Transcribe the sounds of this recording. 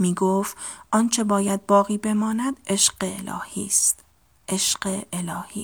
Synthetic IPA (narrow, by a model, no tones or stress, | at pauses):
miːɡoft̪ʔɒnt͡ʃʰe̞bɒːjæd̪̚bɒːɣiːbe̞mɒːnæd̪eʃɢ̥eelɒ̰ːhiːst̪ | ʔeʃɢeʔelɒːhḭː